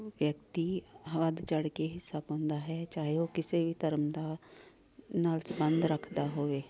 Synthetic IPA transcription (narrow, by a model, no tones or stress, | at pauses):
ʋjəkt̪iːɦʋəd̪t͡ʃəɽkeːɦɪsːaːbɔ̃ːnd̪aːɦɛːt͡ʃaːɦeoːkɪseːʋiːt̪əɾəmd̪aː | naːlsbənd̪ɾəkʰd̪aːɦoːʋeː